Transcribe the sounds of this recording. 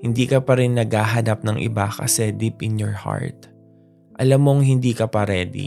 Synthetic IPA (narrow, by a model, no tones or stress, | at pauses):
hɪnd̪iːkɐpɐɾɪnːɐɡhaːɦɐnap̚nɐŋʔɪ̰bakɐ̰sɛd̪ipʔɪnjɔɹha̰ɹt̪̚ | ʔɐlamːoŋhɪnd̪iːkɐpɐɾɛːd̪ḭ